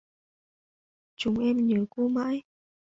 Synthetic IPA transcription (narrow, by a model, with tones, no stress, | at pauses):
t͡ɕʊ˨˦ŋ͡mʔɛ˧mɲəː˨˦ku˧ma̰ː˧˥j